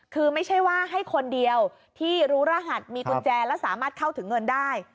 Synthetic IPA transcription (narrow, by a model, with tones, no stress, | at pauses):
kʰɯː˧ma˥˩jt͡ɕʰa˥˩jwaː˥˩ɦa˥˩jkʰo˧ndi˧əw | t̪ʰiː˥˩ɾuː˦˥ɾaː˥˩ɦa˨˩t̪̚miː˧ku˨˩t͡ɕɛː˧lɛː˦˥wsaː˩˦maː˥˩t̪̚kʰa˥˩wt̪ʰɯ˩˦ŋːɤ˧ndaː˥˩j